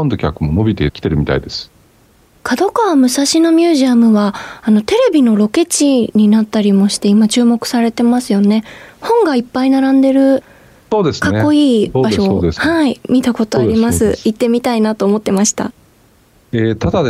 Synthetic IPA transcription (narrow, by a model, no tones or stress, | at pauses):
nd̪o̞kʲakɯ̟mo̞no̞bʲit̪ekʲi̥t̪e̞ɾɯ̟mʲit̪a̰id̪e̞sɨ̥ | kʰad̪o̞kaβamɯ̟saɕino̞mʲjɨːʑiamɯ̟βaːno̞t̪e̞ɾe̞bʲino̞ɾo̞ke̞t͡ɕiɲ̟inat̪ːaɾʲimo̞ɕi̥t̪e̞imat͡ɕɨːmo̞kɯ̟̥saɾe̞t̪e̞masɨjo̞ne̞hõ̞ŋɡaipːainaɾãnd̪e̞ɾɯ̟ | so̞ːd̪esɨ̥kanekːo̞iːbaʃoehaimʲit̪ako̞t̪oaɾʲimasɨit̪ːe̞mʲit̪ainat̪o̞ːmo̞t̪ːe̞maɕi̥t̪a̰ | et̪ad̪a